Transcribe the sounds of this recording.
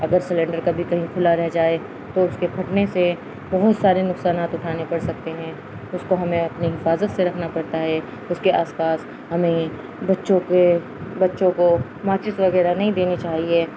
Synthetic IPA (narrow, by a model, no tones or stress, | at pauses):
ɐɡəɾsɪlɛ̃ːɳɖəɾkabʱikɐɦĩkʰʊlaɾɛɦd͡ʒaːe | t̪oʊskekʰɐʈnese | bɐɦʊt̪saːɾenʊksaːnaːt̪ʊʈʰaːnepɐɽsɐk̚t̪eɦɛ̃ː | ʊskoɦɐmẽɐpniɦɪfaːzət̪seɾɐkʰnapɐɽt̪aɦɛ | ʊskeʔaːspaːs | ɦɐmẽi | bɐtːʃõke | bɐtːʃõko | maːt͡ʃɪsʋɐɣɛːɾanɐɦĩd̪eːnit͡ʃaːɦieː